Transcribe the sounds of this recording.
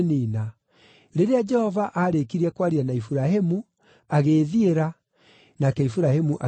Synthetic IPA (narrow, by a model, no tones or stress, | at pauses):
niːna | ɾeɾead͡ʒɛhɔvaʔaɾekiɾiɛkwaɾianaifuɾaɦemu | aɣeːðieɾa | nakɛifuɾahemuʔa